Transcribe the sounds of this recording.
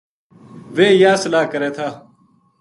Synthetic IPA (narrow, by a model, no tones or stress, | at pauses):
ʋeːjaːsəlaːkəɾeːt̪ʰaː